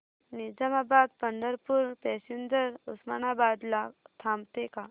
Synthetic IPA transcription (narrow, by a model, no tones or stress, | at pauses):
nɪd͡ʒamaːbaːd̪̚pɐɳɖ̪əɾpʊɾpɛːsund͡ʒəɾʊsmaːnaːbaːd̪lat̪ʰaːmt̪ekaː